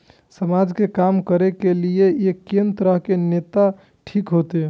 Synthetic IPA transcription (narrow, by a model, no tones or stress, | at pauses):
səmad͡ʒkekamkəɾekelieekːent̪ɾəɦkenet̪a | ʈʰikɦot̪e